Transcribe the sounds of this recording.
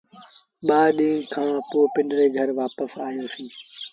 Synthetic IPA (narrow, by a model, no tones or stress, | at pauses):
ɓaːɗĩːkʰãːpoːpɪ̃ɳɖɾeːɡʱəɾʋaːpəsaːɦijõːsĩː